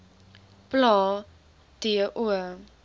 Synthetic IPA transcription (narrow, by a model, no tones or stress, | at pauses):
plɑː | d̥iəʔuə